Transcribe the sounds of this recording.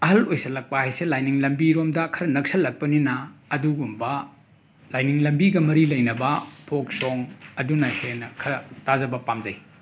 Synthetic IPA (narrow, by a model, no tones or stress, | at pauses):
ɐɦɐlojsɐlɐk̚pɐhajselajniŋlɐmbiɾomdɐkʰɐɾɐnɐksɐlɐk̚pɐninɐːduɡumbɐ | lajniŋlɐmbiɡɐmɐɾilɐjnɐbɐpʰok̚soŋɐdunakʰɾenɐkʰɐɾɐtazɐbɐpamzɐj